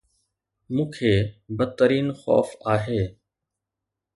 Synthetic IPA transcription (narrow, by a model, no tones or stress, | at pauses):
mũːkʰeːbət̪ːəɾiːnxɔ̰ːfaːɦeː